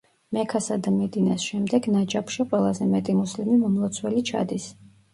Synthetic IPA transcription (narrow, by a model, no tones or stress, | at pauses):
mɛkʰasad̪amɛd̪inasʃɛmd̪ɛɡnad͡ʒapʰʃiqʼwɛlˠazɛmɛt̪ʼimuslimimɔmlˠɔt̪sʰwɛlit͡ʃʰa̰d̪is